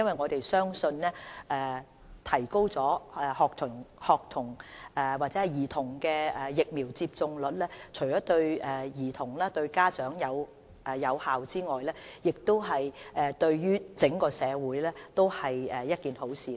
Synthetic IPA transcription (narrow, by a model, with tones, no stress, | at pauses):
jɐ˥nwɐ˨˩jŋɔː˨˧t̪e˨jsœː˥ŋsɵ˧nlɛː˥ʔɛː˨ | t̪ʰɐ˨˩jko˥wt͡sɔː˨˥ɛ˨hɔː˨k̚t̪ʰʊ˨˩ŋhɔː˨k̚t̪ʰʊ˨˩ŋʔɛː˨˩waː˨˩t͡sɛː˨˥hɐ˨˩jiː˨˩t̪ʰʊ˨˩ŋkɛː˧ɛ˨jɪ˨k̚miː˨˩wt͡siː˧p̚t͡sʊ˧ŋlɵ˨t̚lɛː˥t͡ʃʰɵ˨˩ɥt͡ʃɔː˨˥t̪ɵ˧ɥɛː˨˩jiː˨˩t̪ʰʊ˨˩ŋlaː˥t̪ɵ˧ɥkaː˥t͡ʃœː˨˥ŋjɐ˨˧w | ʔɛː˨jɐ˨˧whaː˨wt͡siː˥ŋɔː˨jlɛː˥jɪ˨k̚t̪o˥wɦɐ˨jʔɛː˨t̪ɵ˧ɥɥyː˥t͡sɪ˨˥ŋkɔː˧sɛː˨˧wuː˨˥jlɛː˥t̪o˥whɐ˨jɛː˨jɐ˥t̚kiː˨nho˨˥wsiː˨˥